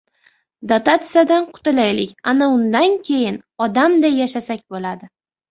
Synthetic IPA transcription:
d̪at̪at̪sɨijad̪anqʰʊ̥t̪ɪlajlɪkʲanaʊnd̪ankʲʰejɪnɒd̪amd̪ajaʃasakʲbolad̪ɪ

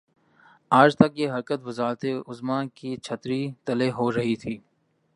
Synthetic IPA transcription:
aːd͡ʒt̪ɐkjeːɦɐɾkət̪ʋɪzaːɾt̪eʊzmãːkiːt͡ʃʰət̪ɾit̪əleɦoːɾɐɦit̪ʰiː

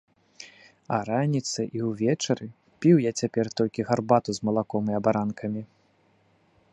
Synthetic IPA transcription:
ɐ̰ɾanʲit̪sɐʔiwvʲɛt͡ʂɐɾɨ | pʲiwjat͡sʲapʲɛrt̪ɔlʲkʲiɣarbat̪uzmɐlˠakɔmɨɐbaɾankʰɐmʲi

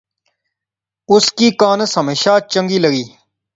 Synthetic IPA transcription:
ʊskiːkaːnɐsɐmeɕaːt͡ɕɐŋɡiːlɐɡiː

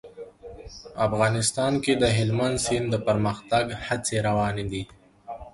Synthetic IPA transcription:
afɣɑːnɪst̪ɑnked̪əɦɪlmansind̪əpəɾməxt̪aɡhat͡seɾawɑned̪i

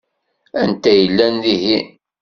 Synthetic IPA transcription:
ænt̪æjəlːænðihi

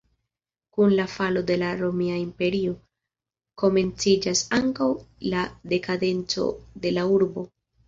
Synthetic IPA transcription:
kunlafalo̞de̞laɾo̞miaimpe̞ɾio̞ | ko̞me̞nt͡sid͡ʒasaŋkawlade̞kade̞nt͡so̞̰de̞lauɾbo̞

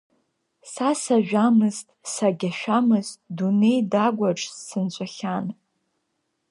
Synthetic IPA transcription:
sasaʒᶣamɨztʼsaɡʲaʃᶣamɨztʼdune̞jdaɡʷaʈ͡ʂʼsːɨnt͡ɕʷʼaχʲan

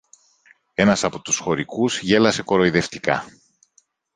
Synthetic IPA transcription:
e̞nɐsɐpo̞t̪usxo̞ɾikuzʝe̞lɐse̞ko̞ɾo̞iðe̞ft̪i̥kɐ̰

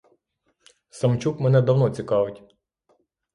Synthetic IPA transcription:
sɐmt͡ʃukmɛnɛd̪ɐwnɔt͡sʲikɑʋɪtʲ

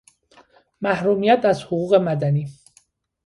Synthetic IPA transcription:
mæhɾuːmijæt̪æzhoɣuːɣe̞mæd̪æniː

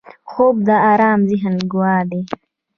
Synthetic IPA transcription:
xoːbd̪aaːɾaːmziɦɐnɡwaːd̪e

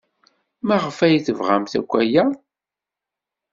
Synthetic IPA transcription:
mæʁəfæjθəvʁa̰mθæ̰kʷːæjæ

